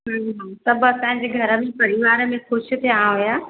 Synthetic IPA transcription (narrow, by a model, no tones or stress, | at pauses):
ɦsɐbɐsãːɲ̆d͡ʑeːɡʱɐɾə̆mẽpɐɾiʋaːɾəmẽxʊʃɪ̆t̪ʰijãɦojaː